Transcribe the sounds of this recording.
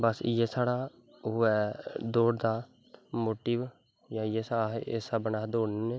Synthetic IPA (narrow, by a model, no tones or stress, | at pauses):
bəsjeːsaːɽaː | ʊɛːd̪oːɽd̪aː | moːʈiːʋ | jãːjeːsaɦesabənaːd̪oːnne